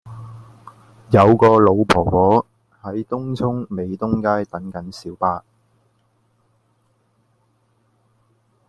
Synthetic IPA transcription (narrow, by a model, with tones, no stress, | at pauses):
jɐ˨˧wkɔː˧lo˨˧wpʰɔː˨˩wɔː˨˥ | hɐ˨˥jt̪ʊ˥ŋt͡sʰʊ˥ŋme˨˧jt̪ʊ˥ŋkaː˥jt̪ɐ˨˥ŋkɐ˨˥nsiː˨˥wpaː˧